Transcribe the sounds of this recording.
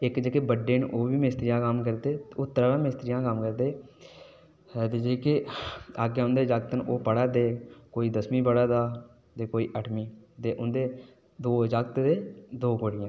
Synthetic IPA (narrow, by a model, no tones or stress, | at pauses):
ɪkd͡ʒəkeːbəɖeːnʔoːʋiːmɪst̪ɾijãːkəmkəɾd̪eːt̪ːʊt̪ːɾaːʋãːmɪst̪ɾijãːkəmkəɾd̪eː | t̪eːd͡ʒeːkɪaːɡeːʊ̃nd̪eːd͡ʒaɡt̪nʔoːpəɽaːt̪eːkoːiːd̪əsmiːbəɽaːd̪aː | t̪eːkoːiːʔəʈʰmiːt̪eːʔʊnd̪eː | d̪oːd͡ʒaɡt̪d̪eːd̪oːkoːɽɪjãː